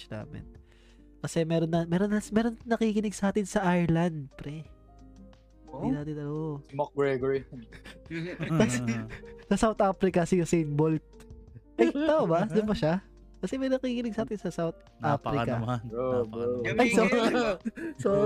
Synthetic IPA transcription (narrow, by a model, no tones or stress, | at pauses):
na̰ːmɛ̰n | kɐsɛmɛːɾonːɐmɛːɾonɐmɛːɾonnɐkikɪnɪɡsɐʔaːt̪ɪnsɐʔajɹlɐnd̪̚pɾɛ | d̪inaːt̪ɪnomok̚ɡɹɛɡoɹi | kɐ | sɐsawt̪ʔaːfɾɪkɐsɪjʊsijnbolt̪̚ʔɐjt̪aʔobɐd̪ʊnmɐʃa | kɐsɛmɛjɾnɐkikɪnɪɡ̚sɐʔaːt̪ɪnsɐsawt̪̚ | afɾɪkɐ | ʔɐjo